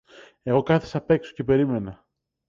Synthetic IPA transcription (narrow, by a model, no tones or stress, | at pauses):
e̞ɣo̞kɐθi̥sɐpe̞kso̞̥ce̞pe̞ɾime̞nɐ